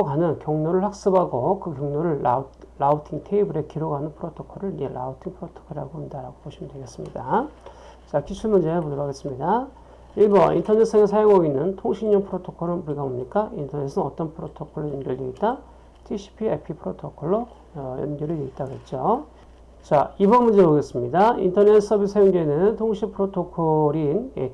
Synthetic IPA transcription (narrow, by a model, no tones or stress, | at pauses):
okɦanɯnkjʌŋnoɾɯɭɸak̚s͈ɯbɦaɡokɯkjʌŋnoɾɯɭːautʰiŋtʰeibɯɾe̞kiɾoɡɦanɯnpʰɯɾotʰokʰʌɾɯɭid͡ʑela̰utʰiŋpʰɯɾotʰo̥kʰɯɾaɡoɯndaɾaɡopoɕʰimɯndwe̞ɡe̞s͈ɯmɲida | t͡ɕakit͡ɕʰuɭmund͡ʑeɯpodɯɡaɡe̞s͈ɯmɲida | iɭbʌḭntʰʌnes͈ʰeŋesʰajoŋoɡinːɯntʰoŋɕʰiɲɲʌnpʰɯɾotʰokʰʌɾɯnmuɾiɡabomɲik͈aintʰʌne̞sʰɯnʌt͈ʌnpʰɯɾotʰokʰʌɭːojʌnɡjʌɭjeitt͈a | tʰiɕʰi̥pʰiḛpʰipʰɯɾotʰokʰʌɭːʌ | jʌ̰nɡʌɾɯɭeɡit͈̚aɡet̚t͡ɕ͈o | t͡ɕaibʌnmund͡ʑemoɡe̞s͈ɯmɲidaḭntʰʌne̞s͈ʰʌbis͈ʰejoŋɡenɯntʰoŋɕʰipʰɯɾotʰokʰʌɾine